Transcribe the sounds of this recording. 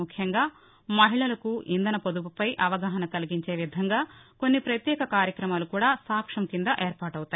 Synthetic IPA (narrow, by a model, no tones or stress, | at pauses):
ukʰjɐŋɡaː | mɐɦiɭɐlɐkuʔind̪ɐnɐpod̪upɐpɐjʔɐʋɐɡɐɦɐnɐkɐliɡiɲt͡ʃe̞ːʋid̪ʱɐŋɡaːko̞nːipɾɐt̪jɛːkɐkaːɾjɐkɾɐmaːlukuːɽaːsaːkʂɐmkind̪ɐʔeːɾpaːʈɐwut̪ɐ